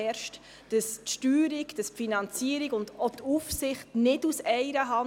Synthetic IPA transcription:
ɛɾʃt | d̥əstʃtyːɾiɡd̥əspfinɑnt͡siəɾiɡʊndotufsɪχtnɪdusɛɪɾəɦɑ

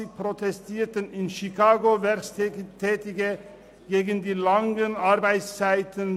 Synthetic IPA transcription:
ɪpʰɾʊt̪ʰɛst̪ʰɪːɾt̪ənɪnʃɪkʰɑːɡʊʋæɾst̪t̪ʰɛːt̪ɪɡə | ɡeːɡənd̪iːlɑŋənɑɾbæɪt̪st͡sæɪt̪ʰən

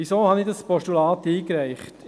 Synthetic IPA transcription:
isoːhɑnɪdɑspɔʃtulɑːtiːkɾæɪχt

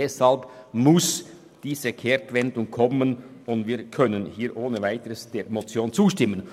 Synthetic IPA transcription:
ɛshɑlbmʊs | d̥iːzəkʰɛɾkvɛndʊŋkʰɔmənʊndviːkʰœnənhiːɾʔoːnəvaɪtəɾəsd̥eːɾmot͡sjoːnt͡suːʃtɪmːən

